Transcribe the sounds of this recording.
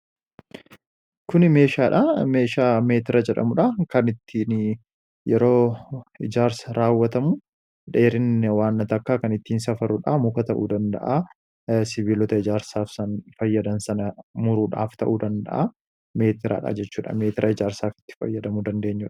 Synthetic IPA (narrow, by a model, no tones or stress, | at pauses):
kʊnɪme̞ːʃaːᶑame̞ːʃaːme̞ːt̪ɪɾɐd͡ʒɛᶑɐ̰mʊᶑakɐnɪt̪ʰːiːn | jɛɾo̞ːɪd͡ʒaːɾsɐɾaːwːɐt̪ɐmʊ | ᶑeːɾɪnwaːnːɐt̪ɐkːaːkɐnɪt̪ːiːnsɐfɐɾuᶑamʊkɐt̪ɐʔuːd̪ɐnd̪ɐ̰ʔa | sɪβiːlɔt̪ɐɪd͡ʒaːɾsaːfsɐnfɐjːɐd̪ɐnsɐnɐmʊɾuːᶑa̰ːft̪ɐ̰ʔuːd̪ɐnd̪ɐ̰ʔa | me̞ːt̪ɪɾa̰ːᶑa̰d͡ʒɛt͡ʃːuːᶑɐ̰meːt̪ɪɾʔɐɪd͡ʒaːɾsaːfɪ̥t̪ːɪ̥fɐ̰jːɐd̪ɐmud̪ɐnd̪e̞ːɲːʊᶑɐ̥